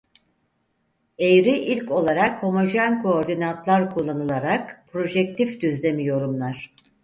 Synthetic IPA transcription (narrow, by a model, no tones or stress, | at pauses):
ejɾiʔilʲco̞lˠaɾakho̞mo̞ʒænkʰo̞ːɾd̪inant̪ʰlˠaɾkʰulˠːanɯlˠaɾakpʰɾo̞ʒɛk̚t̪ʰifd̪yzlʲe̞mijo̞ɾumlˠaɾ̥